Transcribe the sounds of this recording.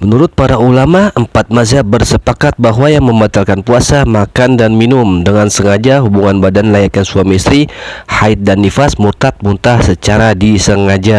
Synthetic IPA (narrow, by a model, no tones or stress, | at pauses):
mənuɾʊt̪̚paɾaulamaʔəmpat̪̚mazabərsəpakat̪̚baɦwajaŋməmbat̪alkanpuasamakandanminʊmdəŋansəŋad͡ʒaɦubuŋanbadanlajat̪ansuamisɾihait̪̚danːifasmurt̪at̪̚munt̪ahsət͡ʃaɾadisəŋad͡ʒa